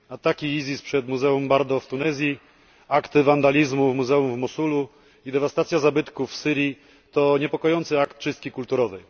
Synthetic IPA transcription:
at̪akʲiizʲispʂɛd̪muzɛumbaɾd̪ɔft̪unɛzʲji | akt̪ɘvand̪alʲizmuvmuzɛumvmɔsulu | id̪ɛvast̪at̪sʲjazabɘt̪kufsɘɾʲji | t̪ɔɲɛpɔkɔjɔnt̪sɘakt̪ːt͡ʂɘst̪̚kʲikult̪uɾɔvɛj

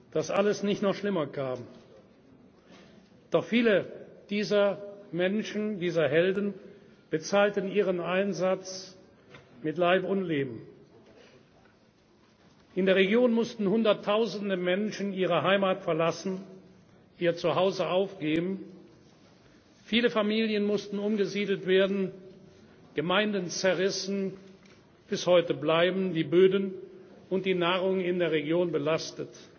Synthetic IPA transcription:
d̥asʔaləsnɪçtnɔχʃlɪmɐkʰaːm | d̥ɔχfiːləd̥iːzɐmɛnʃn̩diːzɐɦɛldn̩ | b̥ət͡saːltən̩iːʁənaɪnzat͡s | mɪtlaɪpʊntleːbm̩ | ʔɪndeːɐʁ̞eɡjoːnmʊstn̩hʊndɐtʰːaʊzn̩dəmɛnʃn̩iːʁ̞əɦaɪmaːtfɛɐlasn̩ | ʔiːɐt͡suɦaʊzəʔaʊfɡ̥eːbm̩ | fiːləfamiːljənmʊstn̩ʊmɡəziːdl̩tv̥eːɐdn̩ | ɡ̥əmaɪ̃ndən̩t͡sɛɐʁɪsn̩ | b̥ɪshɔʏtəblaɪbm̩diːbøːdn̩ʊnt̚d̥iːnaːʁ̞ʊŋɪndeːɐʁeɡjoːnbəlastət

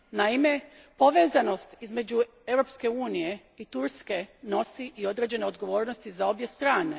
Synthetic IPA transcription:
naime̞ | po̞ʋe̞ːzano̞st̪izme̞d͡ʑu | e̞wɾo̞pske̞uːnije̞ | it̪uɾske̞no̞siʔio̞d̪ɾe̞ːd͡ʑe̞ne̞o̞d̪ɡo̞ʋo̞ːɾnost̪izao̞bje̞st̪ɾaːne̞

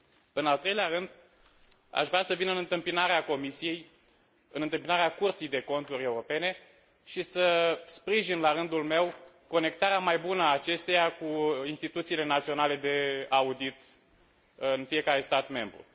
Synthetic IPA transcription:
ɨnalt̪ɾe̞jleaɾɨnd̪ | a̰ʃvɾeasəvinɨnɨnt̪ɨmpinaɾeako̞misije̞j | ɨnɨnt̪ɨmpinaɾeakurt̪sijd̪e̞ko̞nt̪uɾʲe̞uɾo̞pe̞ne̞ | ʃisəspɾiʒinlaɾɨnd̪ulme̞w | ko̞ne̞k̚t̪aɾeamajbunəːt͡ʃe̞st̪ejakuinst̪it̪ut̪siːle̞nat̪sio̞nale̞d̪e̞aud̪it̪ | ɨnfije̞kaɾe̞st̪at̪me̞mbɾṵ

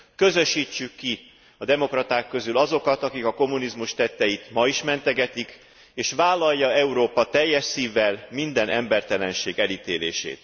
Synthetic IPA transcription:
kø̞zø̞ʃːiːt͡ʃːykːi | ɒd̪ɛmo̞krɒt̪aːkːø̞zylɒzo̞kɒt̪ɒkikɒko̞munizmuʃt̪ɛt̪ːɛjit̪mɒiʃmɛnt̪ɛɡɛt̪ik | eːʃʋaːlːɒjːɒɛuɾoːpɒt̪ɛjːɛʃsiːvːɛlmind̪ɛnʔɛmbɛrt̪ɛlɛnʃeːɡɛlit̪eːlḛːʃḛːt̪

